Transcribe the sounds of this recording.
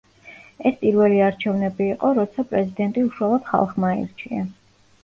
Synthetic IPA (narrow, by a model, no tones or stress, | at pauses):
ɛspʼiɾvɛliaɾt͡ʃʰɛvnɛbiːqʼɔɾɔt̪sʰapʼɾɛzid̪ɛnt̪ʼiuʃualˠɔd̪̥χa̰lˠχmaḭɾt͡ʃʰia̰